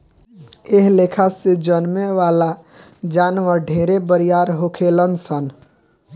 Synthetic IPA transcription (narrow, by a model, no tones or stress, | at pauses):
eɦlekʰased͡ʒənmeʋala | d͡ʒanʋəɾɖʱeɾebəɾijaɾɦokʰelənsən